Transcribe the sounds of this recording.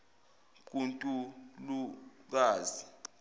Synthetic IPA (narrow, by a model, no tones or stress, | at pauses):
k̬untʼuluk̬aːzi